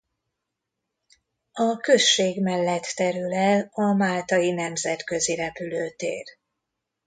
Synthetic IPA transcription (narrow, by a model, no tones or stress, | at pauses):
ɒkø̞ʃːeːɡmɛlːɛt̪ːɛɾylɛlɒmaːlt̪ɒjinɛmzɛt̪kø̞ziɾɛpyløːt̪ḛːr